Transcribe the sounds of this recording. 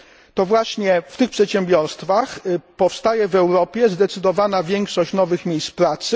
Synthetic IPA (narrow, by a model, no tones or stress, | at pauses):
t̪ɔvwaɕɲɛft̪ɘxpʂɛt̪ɕɛmbʲjɔɾst̪faxpɔfst̪ajɛvɛwɾɔpʲjɛzd̪ɛt̪sɘd̪ɔvanavʲjɛŋkʂɔɕt͡ɕnɔvɘxmʲejspɾat̪sɘ